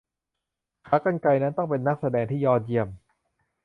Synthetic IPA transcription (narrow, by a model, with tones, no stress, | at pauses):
kʰa˦˥kːa˥˩nka˧jna˦˥nt̪ɔ˥˩ŋpe˧nːa˦˥k̚sa˧dɛː˧ŋt̪ʰiː˥˩jɔː˧˩ji˧˩əm